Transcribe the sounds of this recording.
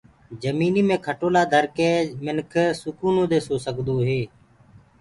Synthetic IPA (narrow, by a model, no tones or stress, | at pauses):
d͡ʒəmiːniːmẽːkʰəʈoːlaːd̪ʱəɾkeːmɪnkʰsʊkuːnõːd̪eːsoːsəkd̪oːɦeː